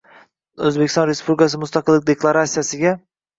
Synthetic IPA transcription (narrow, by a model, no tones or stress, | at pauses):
ɵzbekʲɪ̥st̪ɒ̃nɾespʰublʲɪkʰas̬ɪmʊst̪ɑqɨlˠːɪk̚ʲd̪eklˠaɾat̪sijasɪɡʲa